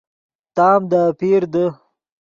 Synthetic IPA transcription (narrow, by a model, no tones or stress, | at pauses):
t̪ɑːmd̪apiɾd̪ə